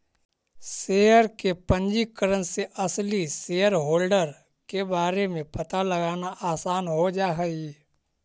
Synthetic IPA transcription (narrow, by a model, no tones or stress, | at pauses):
sejəɾkepə̃ɲd͡ʒikəɾənseʔɐsliseːjəɾɦoːlɖəɾ | kebaːɾemẽpɐt̪aləɡaːnaʔaːsaːnɦod͡ʒaːɦəi